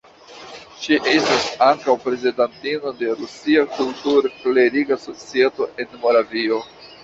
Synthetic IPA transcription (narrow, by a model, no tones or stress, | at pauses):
ʃiʔe̞stasaŋkawpɾe̞zedantino̞de̞ɾusiakultuɾkle̞ɾiɡaso̞t͡sieto̞ʔe̞nmo̞ɾavio̞